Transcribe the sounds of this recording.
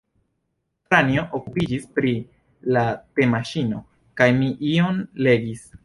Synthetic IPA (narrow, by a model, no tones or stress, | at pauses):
tɾanio̞ʔokupid͡ʒispɾi | late̞maʃino̞̰ | kajmiʔionle̞ɡis